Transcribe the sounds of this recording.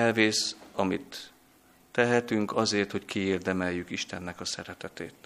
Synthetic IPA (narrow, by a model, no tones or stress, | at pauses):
ɛlveːsɒmit̪ː | ɛɦɛt̪yŋkɒzeːrt̪ho̞ckieːrd̪ɛmɛjːykiʃt̪ɛnːɛkɒsɛɾɛt̪ɛt̪eːt̪